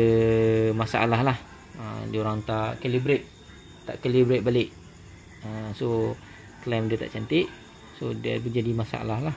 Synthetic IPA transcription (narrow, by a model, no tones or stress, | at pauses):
əmasaa̰laɦlah | ə̰mdioɾaŋt̪aʔkalibɾet̪̚ | t̪a̰ʔkalibɾet̪̚balɪʔ | əso | klamdiət̪a̰ʔt͡ʃant̪ɪʔ | sodiə̰bəd͡ʒadimasa̰ʔa̰lahlah